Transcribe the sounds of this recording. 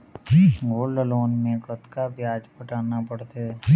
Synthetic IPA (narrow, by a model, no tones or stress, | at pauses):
ɡoːləloːnmẽkət̪kabjaːd͡ʒpəʈaːnapɐɽt̪e